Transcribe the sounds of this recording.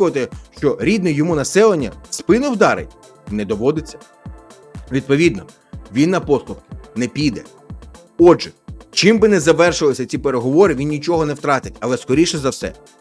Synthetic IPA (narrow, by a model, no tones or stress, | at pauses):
ʊʋɐt̪ɪʃt͡ʃɔɾʲid̪̚nɪjjːɔmunɐsɛlˠɐnʲːɐ̰spɪnɪwd̪ɑɾḛj | nɛd̪ɔʋɔd̪ɪt͡sʲːɐ̥ | ʋʲid̪̚pɔʋʲid̪nɔ | ʋʲinːɐpɔst̪ʊpkɪ̥nɛpʲijd̪ɛ | ɔʒɛt͡ʃɪmbɪnɛzɐʋɛrʃʊʋɐlˠɪsʲɐt͡sʲipeɾeɦɔʋɔɾɪʋʲinnʲit͡ʃɔɦɔnɛwt̪ɾɑt̪ɪtʲɐlˠɛskɔɾʲiʃɛzɐwsɛ̰